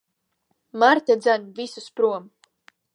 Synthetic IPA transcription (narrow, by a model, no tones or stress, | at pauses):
maɾt̪ad̪zanvisuspɾuɔm